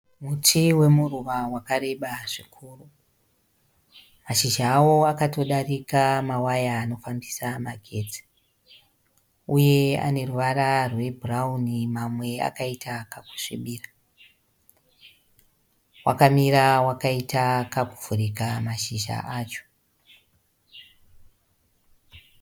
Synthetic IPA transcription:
mutʰiwe̞muruʋawakare̞ɓaʐikʰuːru | maʃiʒaːwo̞akato̞ɗarikamawajaːno̞fambisamaɡʱe̞ti̥ | uje̞a̰ne̞ruʋaɾarwe̞bʱuraunimamwe̞a̰kaitakaku̥ʂiɓiːra | wʔa̰kamiɾawakaitakaku̥vuɾikamaʃiʒa̰ʔaːt͡ʃo̥

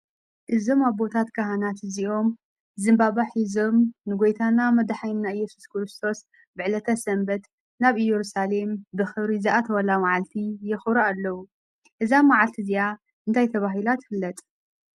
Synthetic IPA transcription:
ʔɨzo̞maβːo̞t̪ʰat̪kʰaɦanat̪ɨziʔo̞m | zɨmbaβaħizo̞mnɨɡo̞jt̪ʰanamɐd̪ħajmnaɨjːɛsu̥skɾɨst̪ʰo̞s | bɨʕlɐt̪ʰasɐmbɐt̪ | naβɨjɛɾusale̞mbɨxɨβɾizɨʔat̪ʰɐwɐlamaʕalt̪ʰijɪxɾɐalːɐwu | ʔɨzamaʕalt̪ʰizija | ʔɨnt̪ʰajt̪ʰɐβaɦilat̪fɨlːɐt̪ʼ

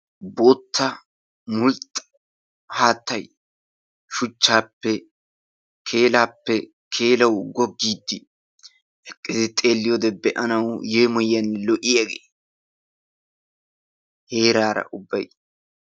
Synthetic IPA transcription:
bo̞ːt̪ʰːɐ | mʊlt̪ʼːɐ̥ | haːt̪ːɐj | ʃʊt͡ʃːaːpːɛ | kʰe̞ːlaːpːɛ | kʰe̞ːlɐwɡɔɡːiːd̪ːɪ | ɛkʼːɪzɪt̪ʼe̞ːlːɪjɔd̪ɛbɛʔɐnɐwjeːmɔjːɐnːlɔʔɪjɐɡeː | he̞ːɾaːɾɐ̰ʔʊbːɐj

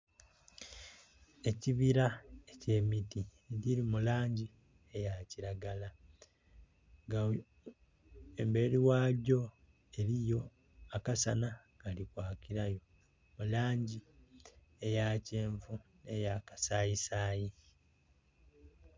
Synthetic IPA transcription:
e̞ciβiɾaece̞miti | ɟiɾimulaːɲɟi | ejaciɾaɡala | ŋɡa | embeɾiwaːɟo̞ | e̞ɾijo̞ | akasana | ɡalikwaːkiɾajo̞ | mulaːɲɟi | ejaːceːɱvune̞jakḁsaːjisaːji

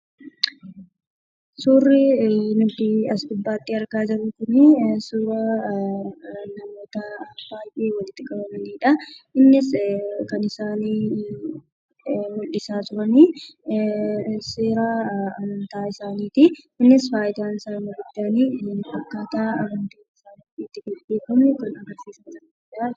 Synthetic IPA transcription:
suːrɪnʊt̪ɪɐsd̪ʊbːaːt̪ːɪɐɾɡaːd͡ʒɐɾʊkʊnɪsuːɾɐ | nɐmo̞ːt̪ɐb̥aːjʔeːwɐlɪt̪ːɪkʼɐbɐmɐniːᶑɐʔɪnːɪskɐnɪsaːniː | mʊlːɪsaːt̪ʊɾɐniː | seːɾaːɐmɐnt̪aːɪsaːniːt̪ɪ | ɪnːɪsbaːjt̪aːnɪsaːmɐɾɪd̪ːɐɐniɐkːaːt̪aːɐmɐnt̪eːnɪsaːn | iːt̪ːɪɡɐeːkʊnɪkɐnɐɡɐɾsiːsɐmsɐ | ɐd͡ʒaː

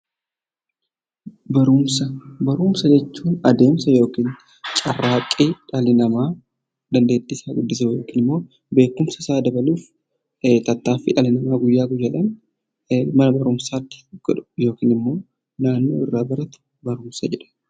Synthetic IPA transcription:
bɐɾʊmsɐbɐɾuːmsɐd͡ʒɛt͡ʃːuːnɐd̪e̞ːmsɐjo̞ːkiːn | t͡ʃʼɐrːaːkʼːiːᶑɐlɪnɐmaː | d̪ɐnd̪e̞ːd̪ːɪsaːɡʊd̪ːɪsɐjo̞ːkiːnɪmːo̞ː | be̞ːkːʊmsɐsaːd̪ɐbɐluːf | t̪ɐt̪ːaːfɪᶑɐlɪnɐmaːɡʊjːaːɡʊd͡ʒɐlɐn | mɐnɐbɐɾʊmsaːt̪ːɪ̥ɡ̥ɔᶑʊ̥jo̞ːkiːnɪmːo̞ː | naːnːo̞̰ːɪrːaːbɐɾɐt̪ʊ̥ | bɐɾʊmsɐd͡ʒɛᶑɐ̥

